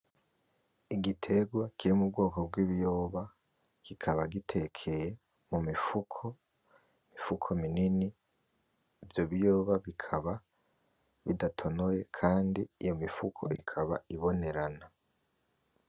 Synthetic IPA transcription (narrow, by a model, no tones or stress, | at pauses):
iɡitʰe̞ɡwakʰiɾimub̚ɡo̞ːko̞bɡwiβijo̞ːβa | ɡ̥ikʰaβaɡitʰe̞kʰeje | mumifukʰo̞ | mifukʰominini | vjo̞βijo̞ːβaβikʰaβa | βidatʰo̞noje̞kʰaːndiːjo̞mifukʰo̞̰ʔikʰaβaiβo̞ne̞ɾana